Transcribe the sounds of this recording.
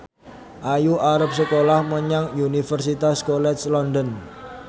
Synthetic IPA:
ʔajuʔaɾəp̚səkolahməɲaŋjunifərsit̪askolɛt̪slɔndɔn

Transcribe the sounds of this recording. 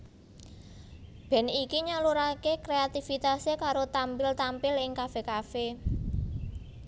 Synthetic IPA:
b̥ɛ̤nikiɲaluɾakekɾeat̪ifit̪asekaɾot̪ampɪlt̪ampɪlɪŋkafekafe

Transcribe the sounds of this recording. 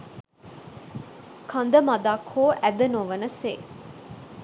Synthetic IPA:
kʰand̪əmɐd̪aːkʰoːʔæd̪ɐnoʋɐnəseː

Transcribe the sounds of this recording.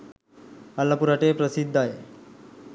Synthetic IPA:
alːapuɾaʈepɾəsid̪ʱːae

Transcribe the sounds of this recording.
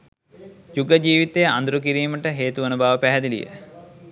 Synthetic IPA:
juɡɐd͡ʒiːʋit̪eja̰nd̪ɾuk̬iɾiːməʈəɦeːt̪uʋɐnubaːʋəpæɦæd̪ilḭjə̰

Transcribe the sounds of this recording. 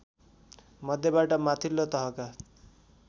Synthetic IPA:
mʌd̪ʱjʌbaʈʌmat̪ʰilːot̪ʌɦʌka

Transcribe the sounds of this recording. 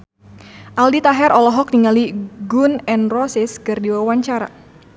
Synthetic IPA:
ʔaldit̪aɦɛɾɔlɔɦɔk̚niŋaliɡunɛnrɔsɪskɨrdiwawaɲt͡ʃaɾa̰

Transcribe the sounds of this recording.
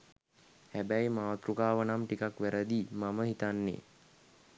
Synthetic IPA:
hæbæjmaːt̪ɾukaːʋənamʈikakʋæɾəd̪iːmaməɦit̪anːḛː

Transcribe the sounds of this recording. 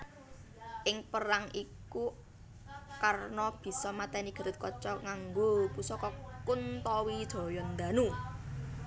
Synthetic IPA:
ʔɪŋpəɾaŋʔiku | karnɔb̥i̤sɔmat̪ɛniɡ̥a̤ɾət̪̚kɔt͡ʃɔŋaŋɡopusɔkɔkunt̪ɔwid̪̥ɔ̤jɔnd̪anu

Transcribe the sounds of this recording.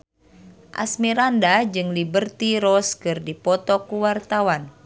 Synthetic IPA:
ʔa̰smiɾandad͡ʒɨŋlibərt̪iɾɔskɨrdipɔt̪ɔkuwart̪awan

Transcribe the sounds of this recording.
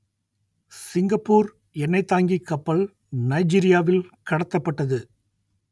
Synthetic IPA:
sɪŋɡɐpːuːɾ | ɛnːɐɪt̪ːaːŋɡikːɐpːɐɭ | nɐɪd͡ʒiːɾɪjaːʋɪlkɐɽɐt̪ːɐpːɐʈːɐðɯ

